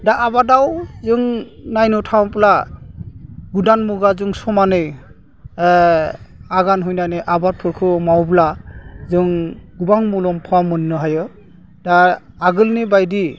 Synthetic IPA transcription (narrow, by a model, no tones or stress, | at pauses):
daabadawzɯŋnajnɔtʰawpla | ɡudanmuɡazɯŋsɔmanɯj | aɡanɦujnajneʔabat̚pʰɔkʰɯmawblazɯŋɡubaŋmulɔmpʰɔwamɔnːɔɦajɔ | da | aɡɯlnibajdi